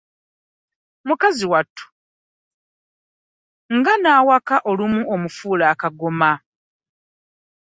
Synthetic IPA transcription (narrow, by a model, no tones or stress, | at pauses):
mukaziwatʰːu̥ | ŋɡanaːwakaʔolumuʔomufuːlaːkaɡoma